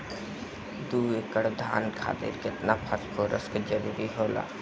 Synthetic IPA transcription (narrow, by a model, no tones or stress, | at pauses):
d̪uːekəɽd̪ʱa̰ːnkʰa̰ːt̪ɪ̰ɾkɪt̪napʰəɾtkʰoːɾə̰skd͡ʒəɾuːɾiɦoːla̰ː